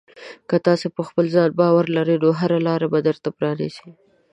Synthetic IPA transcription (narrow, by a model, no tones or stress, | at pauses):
kət̪ɑsepəxpəlzɑnbɑwaɾlaɾed̪oɦaɾalɑɾabad̪əɾt̪apɾɑnisi